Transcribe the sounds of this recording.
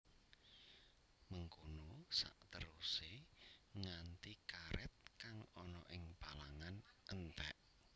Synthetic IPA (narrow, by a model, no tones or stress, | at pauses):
məŋkonosa̰ʔt̪əɾuseŋant̪ikaɾʔɛt̪̚kaŋɔnɔʔɪŋpalaŋanʔənt̪ɛ̰ʔ